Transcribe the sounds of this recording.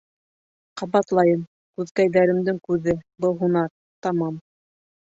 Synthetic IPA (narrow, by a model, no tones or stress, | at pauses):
qɑβɑt̪lˠɑjɤm | kʉðkæjðæɾɘ̆md̪ɘŋkʉðɘbɤlˠɦunɑɾ | t̪ɑmɑm